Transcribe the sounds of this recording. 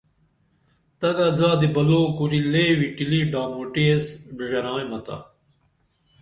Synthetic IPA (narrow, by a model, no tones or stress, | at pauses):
t̪ɐɡazaːd̪ibɐloːkuɾileːwiʈiliɖaːmoːʈiesbiʐɐɾãːẽmɐt̪a̰